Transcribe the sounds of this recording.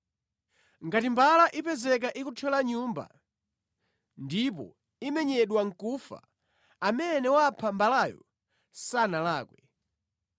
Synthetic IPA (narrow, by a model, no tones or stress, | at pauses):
ŋɡatimbalaʔipɛzɛk̬aʔikut͡ʃʰɛlaɲumba̰ | ndipɔ̰ | imɛɲɛɗwaŋ̩kufa̰ | amɛnɛwapʰambalajɔ̰ | sanalaːkwɛ